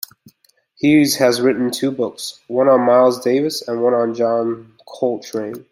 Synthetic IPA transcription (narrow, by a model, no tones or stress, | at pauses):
hiz̥ɨzɹɪʔn̩tʰʉbʊkswʌ̃nə̃n̩maɪlˠzdeɪvɨsə̃nwʌ̃nə̃n̩d͡ʒɑ̃n | kʰoʊlˠtʰɹ̥ẽɪ̃n